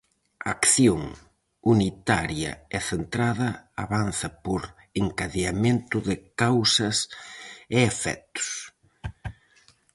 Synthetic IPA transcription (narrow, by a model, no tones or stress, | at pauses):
akθjoŋ | unit̪aɾjɐ̰ɛθent̪ɾaðɐa̰βanθɐpoɾ | eŋkaðeamẽnt̪ʊðɪkawsɐs | eefɛ̰t̪ʊ̥s